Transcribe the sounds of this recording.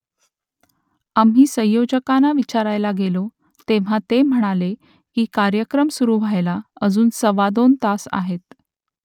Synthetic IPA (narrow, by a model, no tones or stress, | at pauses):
amɦiːsə̃j̃jod͡ʑəkanaʋit͡ɕaɾajlaɡelo | t̪eʋ̤at̪em̤əɽ̃ale | kiːkaɾjəkɾəmsuɾuːʋʱajlaəd͡zuːnsəʋad̪ont̪asa̰ɦet̪